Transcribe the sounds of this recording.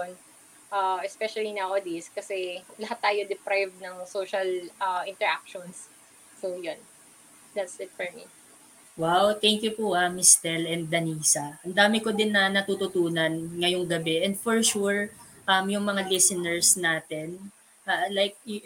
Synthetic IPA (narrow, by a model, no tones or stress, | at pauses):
n | ʔaɛspɛʃɐlinɐʔod̪iskɐsɛlɐhat̪ːaːjod̪ɛpɾajvd̪nɐŋsoːʃɐlʔɐʔɪ̃nt̪ɛɹak̚ʃɔnsː | ojon | d̪ɐt̪sɪt̪̚fɔɹmḭ | wawt̪ɛŋkjʊpuamɪst̪ɛlɛnd̪d̪ɐniːsɐʔɐnd̪aːmɪkod̪ɪnːɐnɐt̪ut̪ʊt̪uːnɐnŋɐjoŋɡɐbɛʔɛnd̪fɔɹʃuɹʔɐmjʊŋmɐŋalɪsɪnɛɹsnaːt̪ɛn | ʔalajk̚j